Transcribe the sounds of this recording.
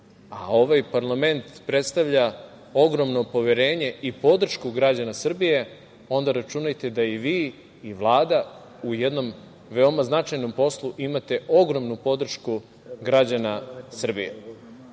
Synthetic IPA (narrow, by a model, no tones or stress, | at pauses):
a̰o̞ʋajpaɾlˠame̞nt̪pɾet̪st̪aʋʎa | o̞ɡɾo̞mno̞po̞ʋjeɾe̞ːɲe̞ʔipo̞d̪r̩ʃkuɡɾad͡ʑanasr̩bije̞ | o̞nd̪aɾat͡ʃunajt̪e̞d̪aiʋiː | iʋlˠaːd̪a | ujed̪no̞m | ʋeomaznat͡ʃajno̞mpo̞slˠuʔimat̪e̞ʔo̞ɡɾo̞mnupo̞d̪r̩ʃku | ɡɾad͡ʑanasr̩bijḛ